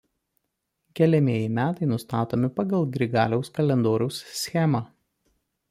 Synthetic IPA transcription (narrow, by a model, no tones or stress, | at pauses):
kʲɛlʲɛmʲiɛjɪmʲæːt̪ɐɪnʊst̪ɑːt̪oːmʲɪpɐɡɐlˠɡɾʲɪɡɑ̰ːlʲɛʊskɐlʲɛnd̪oːɾʲɛʊssʲxʲɛmɑː